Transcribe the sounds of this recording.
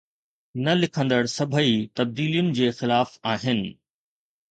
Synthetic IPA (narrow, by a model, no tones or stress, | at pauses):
nɐlɪkʰə̃nd̪əɽsɐbʱəit̪ɐb̚d̪iːlijʊnɪ̆d͡ʑeːxɪlaːfaːɦɪnɪ̆